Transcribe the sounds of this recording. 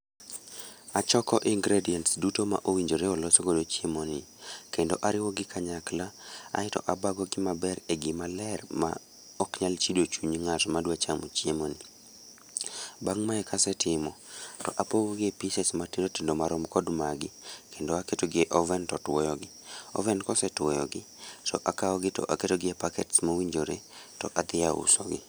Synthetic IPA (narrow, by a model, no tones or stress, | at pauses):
at͡ʃɔkɔʔiŋɡɾediɛntsdutoma̰ʔowiɲd͡ʒoɾeɔlɔsoɡodot͡ʃiemonɪkendoʔaɾɪwɔɡɪkʰaɲaklaa̰ɪtɔ̰ʔabaɡɔɡɪmabɛɾeɡimalɛrma̰ | ɔkɲalt͡ʃidot͡ʃuɲiŋatmadwat͡ʃamot͡ʃiemoni | baŋmaɛkʰasɛtɪmɔtɔ̰ʔapoɡoɡɪepisɛsmatindotindomaɾɔmkɔdmaɡɪkendoaketoɡɪeʔɔvɛntɔtwɔjɔɡɪɔ̰vɛnkɔsɛtwɔjɔ̰ɡɪ | tɔ̰ʔakaɔɡɪtɔ̰ʔaketoɡɪepakɛtsmawiɲd͡ʒoɾetɔʔad̪ɪaʊ̰sɔɡɪ̰